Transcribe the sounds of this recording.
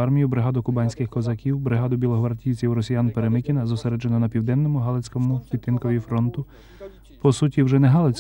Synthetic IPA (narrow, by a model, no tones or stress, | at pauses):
ɑrmʲijʊbɾɪɦɑd̪ʊkʊbɑnʲsʲkɪxkɔzɐkʲiwbɾɪɦɑd̪ʊbʲilˠɔɦʋɐɾdʲij̪t͡sʲiwɾɔsʲijanpeɾemɪkʲinɐzɔseɾɛd͡ʒenɔnɐpʲiwd̪ɛnːɔmʊɦɑlˠet͡sʲkɔmʊpʲit̪ːɪnkɔʋʲifɾɔnt̪ʊ | pɔsutʲiwʒɛnɛɦɑlˠet͡sʲ